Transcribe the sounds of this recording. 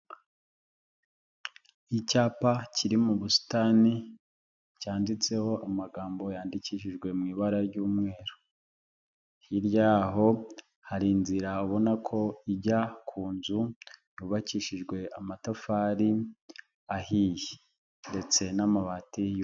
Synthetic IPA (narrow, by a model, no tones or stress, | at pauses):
icaːpaciɾimuβusi̥tani | caːndit͡se̞ho̞amaɡaːmbo̞jaːndiciʃiʒɡwe̞mŋiːβaɾaɾɟuːmŋe̞ːɾo̥ | hiɾjaːɦo̞ | haɾinziɾauβo̞nakʰo̞iɟakʰuːnzujuβaciʃiʒɡwe̞amatafaɾi | ahiji | nde̞t͡se̞namaβatij